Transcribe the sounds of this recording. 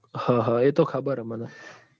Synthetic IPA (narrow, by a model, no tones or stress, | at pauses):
hãːɦãet̪okʰəbəɾəməna